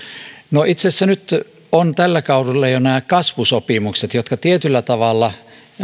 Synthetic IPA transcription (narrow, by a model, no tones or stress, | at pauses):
noʔit̪sesːænyt̪ | ont̪ælːækɑudulːɑjonæːkkɑsʋusopimukset̪jot̪kɑt̪iet̪ylːæt̪ɑʋɑlːɑ